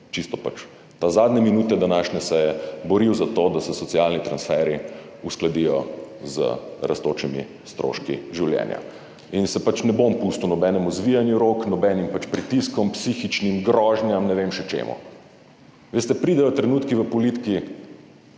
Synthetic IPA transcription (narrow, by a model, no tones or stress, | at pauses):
t͡ʃist̪ɔpat͡ʃ | t̪azaːd̪nɛminuːt̪ɛd̪anaːʃnʲɛsɛjɛbɔɾiwzat̪oːd̪asɛsɔt̪sialnit̪ɾansfɛɾi | usklad̪ijɔ̰zə̰ɾʔa̰st̪oːt͡ʃimḭ | st̪ɾo̰ʃkiʒiwljɛ̰ːnja̰ | insɛpat͡ʃnɛbompust̪unɔbɛnɛmuzʋijanjuɾoknɔbɛnimpat͡ʃpɾit̪iskɔmpsiːxit͡ʃnimɡɾɔʒnjamnɛʋemʃɛt͡ʃḛmṵ | ʋeːst̪ɛpɾiːd̪ɛjɔt̪ɾɛnuːt̪kiʋəpɔlit̪ki